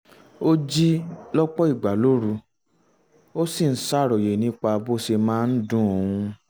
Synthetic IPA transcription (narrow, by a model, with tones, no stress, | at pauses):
o˦d͡ʒi˦lɔ˦k͡pɔ˦i˦˨ɡ͡ba˨lo˦ɾu˧ | o˦si˦˨n̩˦sa˦˨ɾɔ˨je˨nĩ˦k͡pa˧bo˦se˧mãː˦˧n̩˦dũ˦o˨˧˨ũ˧